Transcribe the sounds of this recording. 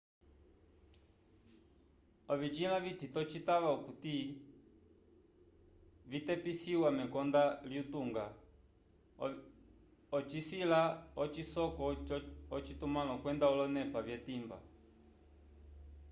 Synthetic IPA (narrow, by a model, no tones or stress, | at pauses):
ɔvit͡ʃilavititɔt͡ʃitaʋaukuti | vitɛpisiwamɛkɔndaliutuŋɡa | ɔt͡ʃisilaɔt͡ʃisɔkɔɔt͡ʃitumalɔkwɛndaɔlɔnɛpavjɛtimba̰